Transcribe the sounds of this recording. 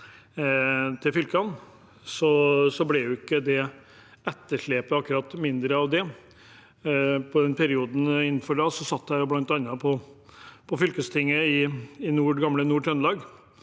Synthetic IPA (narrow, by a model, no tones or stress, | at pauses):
t̪ʰɪlfʏlkəɑn | sɔsɔblɛjʊɪkːəd̪ɛ | ɛt̪ːəʂɭeːpəɑkːʉɾɑt̪ːmɪnd̪ɾəɑʋd̪ɛ | pʰɔd̪ɛnpʰæɾɪuːd̪n̩ɪnːn̩fɔɖɑːsɔsɑt̪ːæːɾɔblɑnt̪ɑnːɑpʰɔ | pʰɔfʏlkəst̪ʰɪŋːəɪɪnuːɖɡɑmlənuːʈʰɾɛnlɑːɡ